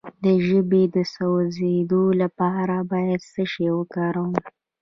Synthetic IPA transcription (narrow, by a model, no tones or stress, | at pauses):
d̪əʒəbed̪əsawzed̪olapɑɾabɑjad̪səʃewəkɑɾəwəm